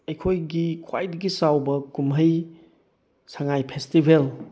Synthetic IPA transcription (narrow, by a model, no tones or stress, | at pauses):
ɐjkʰojɡikʰwajdɐɡisawbɐkumɦɐj | saŋajpʰestibʱel